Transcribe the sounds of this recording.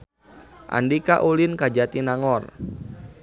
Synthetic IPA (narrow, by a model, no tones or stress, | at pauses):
ʔa̰ndikaʔulinkad͡ʒat̪inaŋɔr